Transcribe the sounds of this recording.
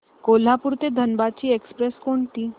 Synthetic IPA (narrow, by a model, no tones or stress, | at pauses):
kol̤apuɾt̪ed̪ʱənbat͡ɕiːekspɾeskoɳt̪iː